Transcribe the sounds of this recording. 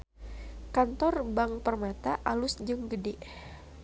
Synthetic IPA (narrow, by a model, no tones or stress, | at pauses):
kant̪ɔrbaŋpərmat̪aʔalʊsd͡ʒɨŋɡədɛʔ